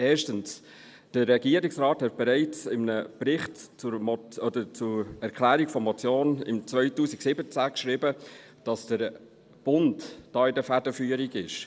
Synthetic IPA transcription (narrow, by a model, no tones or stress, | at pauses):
ɛːʃtəns | d̥əːɛɡiːəɾiksɾɑːthɛt̚b̥ɛɾɛɪt͡sɪmnəb̥ɾɪχtt͡sʊɾmɔɔdəɾt͡sʊɛɾkʰlæːɾiɡ̥fɔmɔt͡sjoːnɪ̰mt͡svœʏtuːsiksɪbət͡sækʃɾɪbə | d̥ɑsd̥əɾ | b̥ʊntd̥ɑːɪdəfædəfyːəɾiɡɪʃ